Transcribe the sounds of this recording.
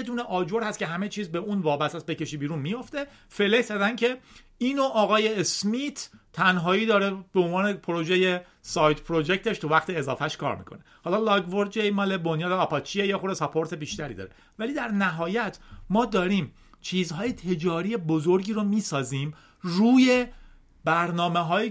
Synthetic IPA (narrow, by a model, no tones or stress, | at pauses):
jed̪uːneʔɒːd͡ʒo̞ɾhæst̪cʲeɦæme̞t͡ʃʰiːzbeʔunvɒːbæst̪æt̪̚be̞ce̞ʃiːbiːɾunmijo̞ft̪e̞ | fe̞lekzæd̪æncʰe̞ | iːnoʔɒːɣɒːjeːsmit̪ʰt̪ʰːænɦɒːiːd̪ɒːɾe̞beonvɒːne̞pʰoɾo̞d͡ʒeje | sɒːjd̪pʰɾo̞d͡ʒec̚t̪ʰe̞ʃt̪ʰuvæχt̪ʰeːzɒ̰ːfæʃkʰɒ̰ɾmḭːkʰo̞̰ne̞hɒːlɒːlɒɡvoɾd͡ʒejmɒːlebonjɒːd̪eɒːpʰɒːt͡ʃʰiejexoɾesɒpʰo̞ɾt̪ʰe̞biːʃt̪æɾḭːd̪ɒ̰ːɾe | væliːd̪æɾnæɦɒːjæt̪ʰmɒːd̪ɒːɾiːm | t͡ʃʰiːzɦɒːje̞t̪ʰe̞d͡ʒɒːɾijebozoɾɟiːɾomiːsɒːziːm | ruːje̞ | bæɾnɒːme̞ɦɒːji